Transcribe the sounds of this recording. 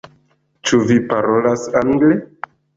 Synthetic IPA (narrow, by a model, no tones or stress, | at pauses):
t͡ʃuvipaɾolasaŋɡle